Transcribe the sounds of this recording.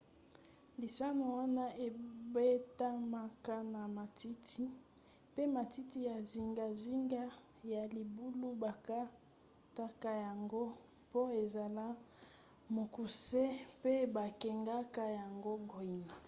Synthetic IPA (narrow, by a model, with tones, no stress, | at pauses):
li˨sa˦no˨wa˦na˦ʔe˨be˦ta˦ma˦ka˦na˨ma˨tʰi˦tʰi˦ | pe˦ma˨ti˦ti˦ja˨zi˨ŋɡa˨zi˦ŋɡa˦ | ja˨li˨bu˦lu˦ba˨ka˦ | ta˦ka˦ja˨ŋɡo˦ | po˦e˨za˨la˦ | mo˨ku˨se˦pe˦ba˨kɛ˨ŋɡa˦ka˦ja˨ŋɡo˦ɡo˨i˦na˨